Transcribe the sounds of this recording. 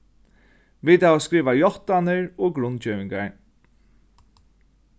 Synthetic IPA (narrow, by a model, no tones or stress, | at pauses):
ʋiːt̪aʋaskɾiːʋajɔht̪anɪɹoːɡɾʊnt͡ʃœːʋɪŋka̰ɹ